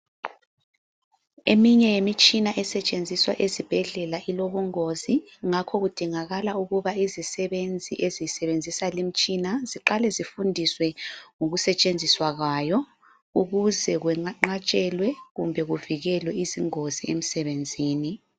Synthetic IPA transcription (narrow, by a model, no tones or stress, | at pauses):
emiɲɛjemit͡ʃʼinaʔɛsɛt͡ʃʼend͡zʱiswa̰ʔezib̥ʱɛɮɛlaʔiloβuŋoziŋakʰɔɣud̥ʱiŋaɣalauɣuβaizisɛβend͡zʱḭʔezijsɛβend͡zʱisalim̩t͡ʃʼinaziǃalɛzifundʱiswɛŋoɣusɛt͡ʃʼend͡zʱiswaɣwajɔ | uɣuzɛɣwɛaŋ͡ǃat͡ʃʼɛlwɛɣumbʱɛɣuviɣɛlwɛiziŋoziem̩sɛβend͡zʱiːni